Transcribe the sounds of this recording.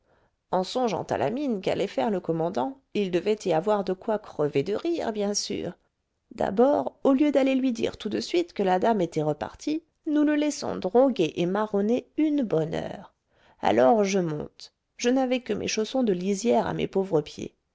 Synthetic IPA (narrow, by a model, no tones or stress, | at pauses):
ɑ̃sɔ̃ʒɑ̰̃t̪a̰lʔa̰minka̰lɛfɛʁləkɔmɑ̃d̪ɑ̃ | ild̪əvɛt̪ʰiavwaʁd̪əkwakχəved̪əʁiʁbjɛ̃sy̰ːʁ | d̪a̰bɔʁoljød̪alelɥid̪ḭʁt̪ud̪əsɥit̪kəlad̪amet̪ɛʁəpa̰ʁt̪ʰi | nuləlɛsɔ̰̃d̪ʁɔɡeʔemaʁɔneynbɔnœ̰ʁ | a̰lɔʁʒəmɔ̰̃t̪ | ʒ̥ənavɛkəmʔḛʃosɔ̃d̪əlizjɛʁa̰mḛpovʁəpjḛ